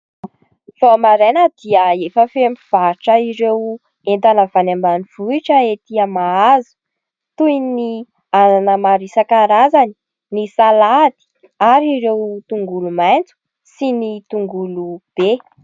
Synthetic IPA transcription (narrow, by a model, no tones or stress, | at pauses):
v̥omaɾenəd̪̥iəefəfemiv̥aʈ͡ʂəiɾew | ent̪anəv̥anambaniv̥uiʈ͡ʂəet̪iəmaazu̥ | t̪ujni | ananəmaɾisakaɾazani̥ | nisalad̪i̥ | aɾiɾewt̪uŋɡulumajnt͡su̥ | sinit̪uŋɡulub̥e